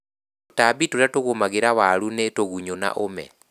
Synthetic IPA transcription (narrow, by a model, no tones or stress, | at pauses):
otabitoɾatoɣomaɣeɾaβaɾunetoɣuɲona̰ʔomɛ̰